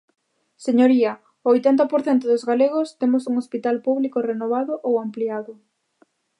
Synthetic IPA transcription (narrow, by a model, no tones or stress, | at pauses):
seɲoɾiɐ | ojt̪ɛnt̪̬ɐpoɾθɛnt̪ʊðʊzɣaleɣ̞ost̪emosuŋospit̪alpuβlikorenoβaðʊʔowampliaðʊ